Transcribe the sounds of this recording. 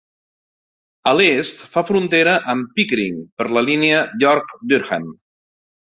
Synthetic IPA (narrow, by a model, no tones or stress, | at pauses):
əlest̪fafɾunt̪eɾəʔəmpikɾḭŋpəɾləliniəʎɔɾkd̪yɾxə̰m